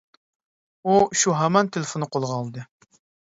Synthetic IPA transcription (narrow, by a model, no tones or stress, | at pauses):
uʃuɦæmɑnt̪ʰelˠefonɨqʰolˠʁɑɑːlˠd̪ɨ